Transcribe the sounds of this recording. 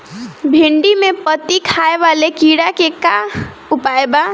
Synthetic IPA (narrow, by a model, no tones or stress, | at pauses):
bʱɪ̃ɳɖimẽpət̪ikʰaːeʋaːlekiːɽakeka | ʊpaːeba